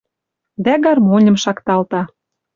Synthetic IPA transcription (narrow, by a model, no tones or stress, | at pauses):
d̪æɡɑrmonʲə̆mʃɑkt̪ɑlt̪ɑ